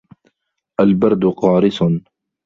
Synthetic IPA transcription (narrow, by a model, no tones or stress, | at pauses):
ʔalbɐɾd̪ʊqɑːɾɪsʊn